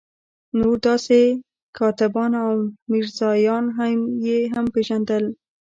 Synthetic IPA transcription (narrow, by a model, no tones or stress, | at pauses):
noɾd̪ɑse | kʰɑt̪ɪbɑnawmiɾzɑjɑnɦamjeɦampeʒand̪əl